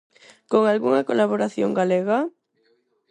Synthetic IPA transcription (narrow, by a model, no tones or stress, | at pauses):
koŋalɣuŋɐkolaβoɾaθjoŋɡaleɣa